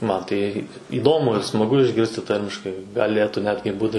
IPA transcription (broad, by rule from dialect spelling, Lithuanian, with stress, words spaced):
ˈmɐn tɐɪ iːˈdoːmʊ ɪr smɐˈɡʊ ɪʒʲˈɡʲɪrʲsʲtʲɪ ˈtɐrʲmʲɪʃkɐɪ ɡɐˈlʲeːtuː ˈnʲæːdʲɡʲɪ ˈbuːtʲɪ